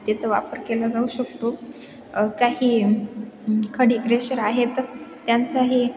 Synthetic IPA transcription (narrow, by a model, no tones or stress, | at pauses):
t̪et͡səʋa̰pəɾkelad͡zauɕəkt̪o | kaɦiː | kʰəɽiːɡɾeɕəɾaɦet̪ː | jant͡saɦiː